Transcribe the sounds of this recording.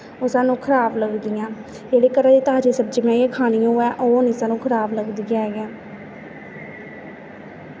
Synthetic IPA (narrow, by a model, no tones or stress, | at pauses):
ʊsãːnũːkʰəɾaːbləɡd̪ɪjãː | d͡ʒeːɽeːkəɾãːd̪iːt̪ɦaːd͡ʒeːsəb̚d͡ʒiːmɛ̃ːjẽːkʰaːɽ̃ijõɛːʔoːniːsãːnũːkʰəɾaːbləɡd̪ijãːɡɛ̃ː